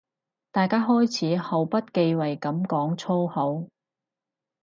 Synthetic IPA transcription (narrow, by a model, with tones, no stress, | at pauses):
t̪aː˨jkaː˥ɦɔː˥jt͡sʰiː˨˥ho˨˩wpɐ˥t̚ke˧jwɐ˨˩jkɐ˨˥mkɔː˨˥ŋt͡sʰo˥who˨˥w